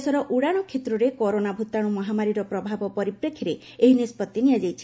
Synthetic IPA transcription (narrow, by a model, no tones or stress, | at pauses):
sɔɾɔʔuɽaɽ̃ɔkʰet̪ɾɔɾekɔɾonabʱut̪aɽ̃umɔɦamaɾiɾɔpɾɔbʱabɔpɔɾipɾekʰːiɾe | eɦinispɔt̪jenijad͡ʒajt͡ʃʰi̥